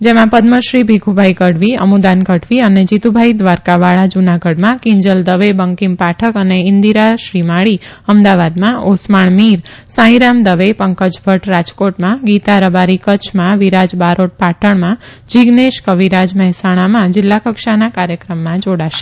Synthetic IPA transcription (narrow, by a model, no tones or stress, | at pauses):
d͡ʒemãpəd̪məʃɾibʱiɡʱubʱaikəɽʋiə̰mud̪ankəʈʋiəned͡ʒit̪ubʱajd̪ʋaɾkaʋaɭad͡ʒunaɡəɖmãkɪɲd͡ʒəld̪əʋebəŋkimpaʈʰəkəneɪnd̪iɾaʃɾimaɭiəmd̪aʋad̪mãʔosmaɳmiɾsãĩɾamd̪əʋepəŋkəd͡ʒbʱəʈɾad͡ʒkoʈmãɡit̪aɾəbaɾikət͡ʃʰmãʋiɾad͡ʒbaɾoʈ̚paʈʰəɳmãd͡ʒiɡneʃkəʋiɾad͡ʒmɛɦɛsaɽ̃amãd͡ʒɪlːakəkʃanakaɾjəkɾəmːãd͡ʒoɽaʃe̥